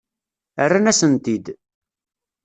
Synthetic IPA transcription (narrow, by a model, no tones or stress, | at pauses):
ərːanæsənt̪id̪